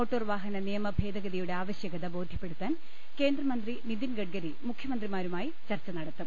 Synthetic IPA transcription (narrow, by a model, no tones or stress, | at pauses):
o̞ːʈːoːrʋaːɦɐnɐnijɐmɐbʱe̞ːd̪ɐɣɐðijuɽe̞aːʋɐɕjɐɣɐðɐbo̞ːd̪ʱjɐpːe̞ɽut̪ːaːn | ke̞ːnd̪rɐmɐnd̪rinid̪inɡɐɖ̚ɡɐɾimukʰjɐmɐnd̪rimaːɾumaːjit͡ɕɐrt͡ɕːɐnɐɽɐt̪ːum